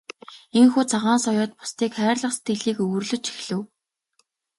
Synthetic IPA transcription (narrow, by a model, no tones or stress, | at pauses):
eŋxuːt͡sʰaʁaːnsɔjɔːt̪̚pʊ̥st̪iːkχæːrɮə̆χse̥t̪ɡĕɮiːkɵwɵ̆rɮɵ̆t͡ɕʰi̥xɮɘ̆w